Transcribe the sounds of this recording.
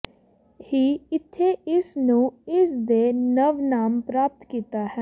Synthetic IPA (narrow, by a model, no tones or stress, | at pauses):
hiːɪt̪ʰːeʔɪsnũːɪsd̪eːnəʋnaːmpɾaːp̚t̪kiːt̪aːɦɛː